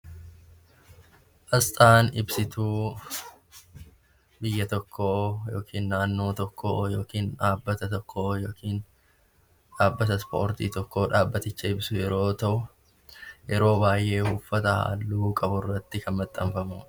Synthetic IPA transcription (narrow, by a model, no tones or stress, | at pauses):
ʔɐst̪ʼaːnɪbsɪt̪uː | bɪjːɐt̪ɔkʰːoːjo̞ːkʰiːnːaːnːo̞ːt̪ɔkʰːo̰ːjoːkiːnᶑaːbːɐt̪ɐt̪ɔkʰːojoːkʰiːn | ᶑaːbːɐt̪ɐspo̞ːɾt̪ḭːt̪ɔkːo̞ːᶑaːbːɐt̪ɪt͡ʃːɐɪbsʊjɛɾo̞ːt̪ɐʔʊ | jɛɾo̞ːbaːjʔe̞ːhuːfːɐt̪ɐha̰ːlːuːkʼɐbʊrːɐt̪ːɪkʰɐnmɐt̪ʼːɐmfɐmuː